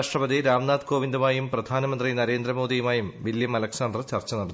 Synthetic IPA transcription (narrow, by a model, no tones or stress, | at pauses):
ʂʈrɐbɐðiɾaːmnaːd̪ko̞ːʋind̪umaːjumprɐd̪ʱaːnɐmɐnd̪rinɐɾe̞ːnd̪rɐmo̞ːd̪ijumaːjumbiljɐmɐlɐksaːnd̪rt͡ɕɐrt͡ɕːɐnɐɽɐt̪